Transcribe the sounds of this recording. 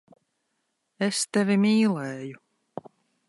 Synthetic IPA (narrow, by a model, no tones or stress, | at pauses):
est̪ɛvʲimʲiːlˠɛːju